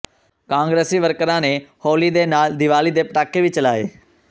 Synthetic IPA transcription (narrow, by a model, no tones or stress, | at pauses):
kãːŋɡɾeːsiːʋəɾkəɾãːneːhoːliːd̪eːnaːld̪ɪʋaːliːd̪eːpəʈaːkːeːʋɪt͡ʃəlaːḛː